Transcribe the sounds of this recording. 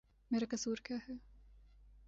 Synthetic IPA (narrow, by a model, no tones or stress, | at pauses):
meːɾakɐsuːɾkjaːɦɛː